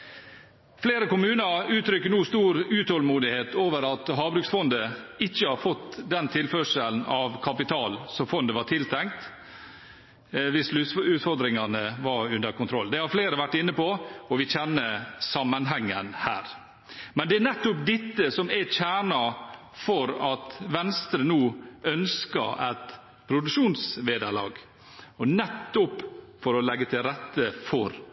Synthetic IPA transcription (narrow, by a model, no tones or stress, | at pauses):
fleːɾəkʊmʉːnɑɾʉːt̪ʰɾʏkːəɳuːst̪uːɾʉːt̪hɔlmuːd̪ɪheːt̪ʰoːʋəɾɑt̪ɦɑːbɾʉːksfɔnd̪əɪçːəhɑɾfɔt̪ːd̪ɛnt̪ʰɪlfœʂəln̩ɑʋkʰɑpɪt̪ʰɑːlsɔfɔnd̪əʋɑʈʰɪlt̪ʰɛŋkt̪ | ʋɪslʉʉːt̪fɔɾd̪ɾɪŋɑnəʋɑɾʉnd̪əɾkʰʊnt̪ʰɾɔlːd̪ɛhɑɾfleːɾəʋæʈːɪnːəpɔɔʋɪçɛnːəsɑmːənɦɛŋːənhæ̰ːɾ | mɛnd̪ɛænɛt̪ːʊpd̪ɪt̪ːəsɔmɛt͡ʃæːɳɑ | fɔɾɑt̪ʋɛnst̪ɾənuːœnskɑ̰ɾæt̪ | pʰɾʊd̪ʉkʂuːnsʋeːd̪əɭɑ̰ːɡ | ɔnɛt̪ːʊpfɔɾɔlɛɡːət̪ʰɪlɾɛt̪ːəfɔɾ